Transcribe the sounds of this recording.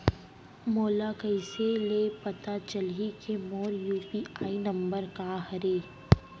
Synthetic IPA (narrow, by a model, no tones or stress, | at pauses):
moːlakɐɪselepɐt̪at͡ʃəlikʰemoːɾjuːpiaːinɐ̃mbəɾkaɦɐɾeː